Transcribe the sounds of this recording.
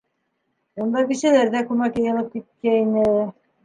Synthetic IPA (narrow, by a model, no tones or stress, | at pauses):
und̪ɑbiʃælæɾðækʉmækjɤ̆jɤ̆lˠɤp̚kit̪̚kæinɘ